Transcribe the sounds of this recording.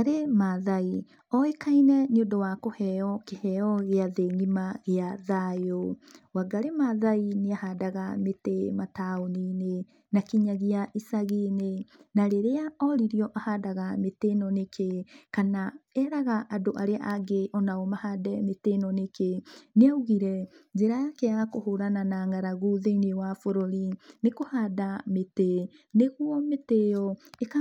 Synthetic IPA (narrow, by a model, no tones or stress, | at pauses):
aɾemaðai | ɔekainɛniodɔwakohɛɔkehɛɔɣeaðeŋimaɣeaðajowaɡaɾemaðaineahadaɣametemataonine | nakiɲaɣiaʔisaɣinenaɾeɾeaɔɾiɾiɔʔahadaɣametenɔnekʰekanaɛɾaɣaʔadoʔaɾeaʔaɡeʔɔnaɔmahadɛmetenɔnekeneauɣiɾɛd͡ʒeɾajakeakoɦoɾananaŋɡaɾaɣuðeinewafoɾoɾinekohaːdamete | neɣwɔmetejɔeka